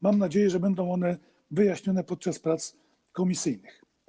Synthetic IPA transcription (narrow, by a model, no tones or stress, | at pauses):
mamnad͡ʑejɛʐɛbɛnd̪ɔ̃w̃ɔn̪ɛ | vɘjaɕɲɔnɛpɔt̪̚t͡ʂaspɾat̪s | kɔmʲisɘjnɘx